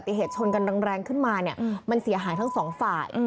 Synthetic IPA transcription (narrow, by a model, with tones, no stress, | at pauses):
t̪ːi˨˩ɦeː˨˩t̪̚t͡ɕʰo˧nka˧nɾa˧ŋɾɛː˧ŋkʰɯ˥˩nmaː˧ni˥˩ɐma˧nsi˨˩˦ɐɦaː˩˦jt̪a˥˩ŋsɔː˩˦ŋfaː˨˩j